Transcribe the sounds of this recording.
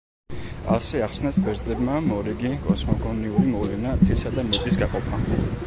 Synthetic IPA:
a̰sɛaχsnasbɛɾt̪zʼɛbmamɔɾiɡikʼɔsmɔɡɔniuimɔvlɛnad̪sʰisad̪amɛt̪ʼisɡaqʼɔpʰa

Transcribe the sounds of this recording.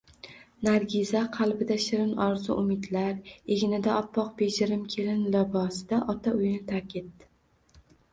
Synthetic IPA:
naɾɡʲɪzaqʰɑlˠbɪd̪aʃɪɾɪnɒɾzʊ̰ʔʊmɪd̪laɾeɡʲɪnɪd̪aɒpʰːɒq̚be̞d͡ʒɪɾɪmkʲʰe̞lɪnlɪbɒsd̪̥aʔɒt̪ʰaʊjnɪt̪ʰakʲet̪ːɪ̥

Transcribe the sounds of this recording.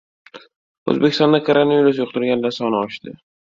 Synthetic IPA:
o̰zbekʲɪst̪ɒnd̪akʰoɾonaviɾʊs̬jʊqt̪ʊɾɡʲand̪asɒnɪɒʃd̪ɪ̰

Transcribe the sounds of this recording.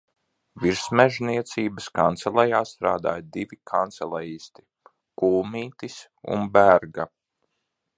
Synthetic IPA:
viɾsmɛʒniɛt̪siːbəskant̪sɛlˠɛjaːst̪ɾaːd̪a̰ːjd̪ivikʰant̪sɛlˠajiːst̪i̥ | kuːlmiːt̪is | ṵnbæɾɡa

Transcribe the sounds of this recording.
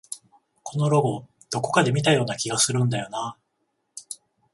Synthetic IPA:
kʰo̞no̞ɾo̞ɡo̞ | d̪̥o̞ko̞̥kad̪e̞mʲit̪ajo̞ːnakʲiɡasɨɾɯ̟̃nd̪ajo̞na

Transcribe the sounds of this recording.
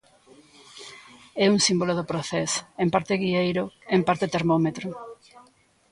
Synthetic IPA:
ɛuŋsimboloðopɾoθɛsempaɾt̪eɣiejɾoempaɾt̪et̪eɾmomet̪ɾo

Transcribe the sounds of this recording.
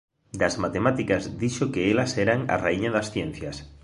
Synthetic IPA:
d̪ɐzmat̪emat̪ikazd̪iʃokeelɐsɛɾaŋa̰raiɲaðɐsθjen̟θjɐs

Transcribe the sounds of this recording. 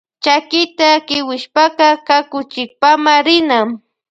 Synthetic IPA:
t͡ʃakɪt̪akɪwɪʃpaqɑkakʊt͡ʃɪk̚pamaɾɪnam

